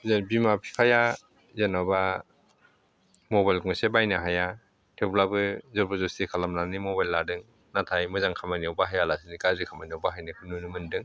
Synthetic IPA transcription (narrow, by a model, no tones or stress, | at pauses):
zenbimapʰi̥pʰaja | zenaba | mɔbajlkŋɔsebajnaɦaja | tʰeplabɯzɔɾbazɔstikʰalamnanimɔbajlːadɯŋ | natʰajmɯzaŋkʰamaniawbaɦajalasinikazikʰamaniawbaɦajnɯkʰɯnunɯmɯndɯŋ